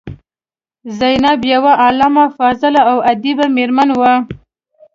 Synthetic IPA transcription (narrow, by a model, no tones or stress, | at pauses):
zajnabjawaʔalamafɑzɪlaawad̪ibameɾmanwa